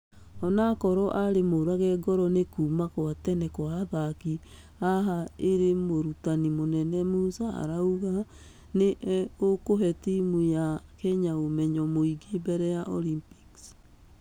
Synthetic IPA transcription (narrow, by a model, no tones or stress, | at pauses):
ɔnakɔɾɔʔaɾemoɾaɣɛɡɔɾɔnekumakwatɛnɛkwaðaki | aɦaeɾemoɾutanimonɛnɛmusaa̰ɾauɣa | neʔokoɦɛtimujakɛɲaomɛɲɔmoiɡebɛɾɛjaʔɔlimpi̥ks